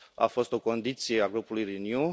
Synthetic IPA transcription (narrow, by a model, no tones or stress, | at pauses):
a̰fo̞st̪o̞ko̞nd̪it̪sijeaɡɾupulujɾinju